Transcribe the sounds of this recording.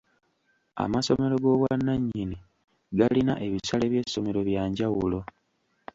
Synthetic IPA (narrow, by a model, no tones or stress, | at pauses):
a̰maso̞me̞ɾo̞ɡo̞βwanːaɲːini | ɡalinaʔe̞βisale̞βje̞sːo̞me̞ɾo̞βjaːɲɟawulo̞